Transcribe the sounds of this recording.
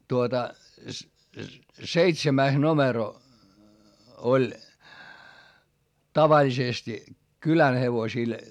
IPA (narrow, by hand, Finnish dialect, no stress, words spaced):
tuotɑ seitsemæis nomero olʲ tɑʋɑlʲisesti kylæn heʋosil